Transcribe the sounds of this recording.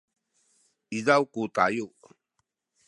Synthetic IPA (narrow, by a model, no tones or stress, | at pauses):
izawkuta̰juʔ